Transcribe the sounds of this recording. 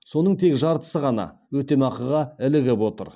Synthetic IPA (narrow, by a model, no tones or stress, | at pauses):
so̞nəɴt̪ʰe̞kʒɑɾt̪ə̥səʁɑnɑ̰wɵt̪e̞mɑqəʁɑɪlɪɡʲepwo̞t̪ə̰ɾ